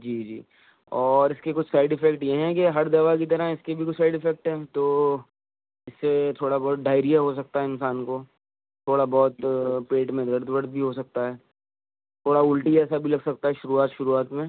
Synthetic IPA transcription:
d͡ʒiːd͡ʒḭː | ɔːɾɪskekʊt͡ʃʰsaːɪɖɪfɛkʈjeɦɛ̃k̬eɦɐɾd̪ɐʋakit̪̬ɐɾəɪskebʱikʊt͡ʃʰsaɪɖɪfɛk̚ʈɦɛːt̪oː | ɪsːet̪ʰoːɽabɔːt̪̚ɖaːɪɾijaɦosɐk̚t̪aɦɛɪ̃nsaːnko | t̪ʰoːɽabɔːt̪peːʈmẽd̪ɐɾd̪ʋɐɾd̪̚bʱiɦosɐk̚t̪aɦɛː | t̪ʰoːɽaʊlʈiɛːsabʱilɐɡsɐk̚t̪aɦɛʃʊɾuaːt̪ʃʊɾuaːt̪mẽ

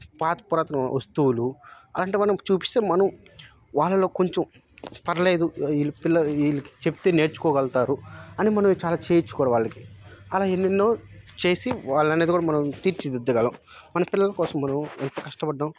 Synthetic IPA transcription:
paːt̪pːɾaːt̪ɐnɐɐst̪uwuluɐlaːɐɳʈeːmɐnɐmt͡ʃuːpi̥st̪e̞ːmɐnɐm | ʋaːɭːɐloːkoɲt͡ʃɐm | pɐɾɐle̞ːd̪uilipilːɐilːiki̥t͡ʃept̪eːne̞ːɾt͡ʃu̥kɔːɡɐlt̪aːɾuɐnimɐnɐmt͡ʃaːlaːt͡ʃeːjt͡ʃːu̥kɔːɽaʋaːɭːɐki̥ɐlaːenːenːo̞ːt͡ʃe̞ːsiʋaːɭɐneːd̪ikuːɽamɐnɐmt̪iːɾt͡ʃid̪id̪ːɐɡɐlɐm | mɐnɐpilːɐlɐkɔːsɐmːɐnɐment̪ɐkɐʂʈɐbɐɖːaːm

